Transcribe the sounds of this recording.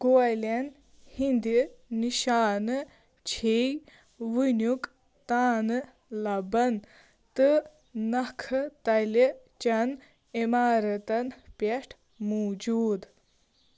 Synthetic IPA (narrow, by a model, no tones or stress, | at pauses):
ɡojlɐn | hind̪iniʃaːnɨ | t͡ʃʰej | ʋɨnjuk | t̪aːnɨ | lɐbɐn | t̪ɨ | nɐkʰɨt̪ɐli | t͡ʃɐn | emaːɾɐt̪ɐnpʲeʂʈʰ | moːd͡ʒuːd̪